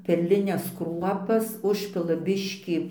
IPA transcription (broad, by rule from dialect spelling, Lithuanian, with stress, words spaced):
pʲɛrʲlʲɪˈnʲɛs ˈkruɔpɐs ˈʊʃʲpʲɪlˠɐ ˈbʲɪʃʲkʲiː